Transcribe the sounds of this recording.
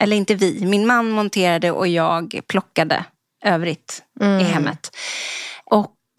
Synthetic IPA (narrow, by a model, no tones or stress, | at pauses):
ʔɛlːəɾɪnt̪əvɪmɪnmanːmɔnt̪ʰeːɾad̪əʔɔ̰jɑːɡpʰlɔkːad̪ə̰ | ʔøːvɾɪt̪ɪɦɛmːə̰t̪ | ʔɔk